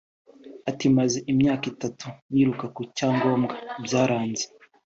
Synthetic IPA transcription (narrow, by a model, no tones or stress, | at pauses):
atimazeʔimɲaːkitatuβiːɾukakucaːŋɡo̞ːmɡabjaːɾaːnze